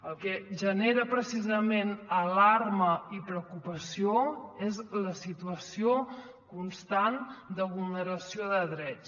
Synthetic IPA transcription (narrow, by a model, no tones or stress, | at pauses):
əlˠkɛʒəneɾəpɾəsizəmenəlarməipɾəkupəsioezləsit̪uəsio | kunst̪and̪əβulˠnəɾəsioðəðɾɛt͡s